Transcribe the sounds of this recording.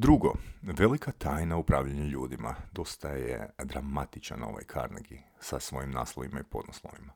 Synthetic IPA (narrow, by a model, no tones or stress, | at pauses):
d̪ɾuɡo̞ʋe̞likʰat̪ʰaːjnaupɾaːʋʎaɲeʎuːd̪ima̰d̪o̞st̪ajḛd̪ɾamat̪it͡ʃano̞̰ʋa̰jkʰa̰ːɾneɡisasʋo̞jimnaːslˠoʋimaipo̞d̪noslˠoʋima